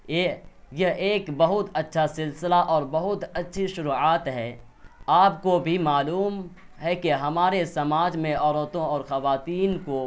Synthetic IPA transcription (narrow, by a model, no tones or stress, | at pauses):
ejɐɦʔeːkbɐɦʊt̪ɐtːʃʰasɪlsɪlaʔɔːɾbɐɦʊt̪ɐtːʃʰiʃʊɾuːaːt̪ɦɛː | aːpkobʱimaːluːm | ɦɛkeɦɐmaːɾesɐmaːd͡ʒmẽɔːɾot̪õɔːɾxɐʋaːt̪iːnko